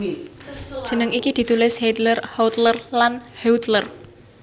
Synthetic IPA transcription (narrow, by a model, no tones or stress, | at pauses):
ʒ̥ə̤nəŋikid̪̥i̤t̪ulɪshed̪lərhɔwt̪lərlanhɛut̪lər